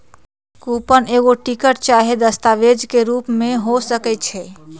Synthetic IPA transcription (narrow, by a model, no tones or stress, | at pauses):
kupəneɡoʈikəʈ̚t͡ʃaɦed̪əst̪aʋed͡ʒkeɾupmeɦosəkɛtt͡ʃʰɛ